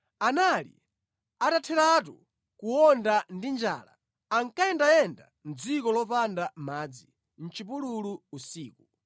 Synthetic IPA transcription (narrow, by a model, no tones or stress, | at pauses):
analḭ | atatʰɛɾatu | kuwɔndandind͡ʒa̰ːla̰ | aŋkajɛndajɛnda̰ | n̩d͡zikɔlɔpandamaːd͡zi | n̩t͡ʃipululuːsiːku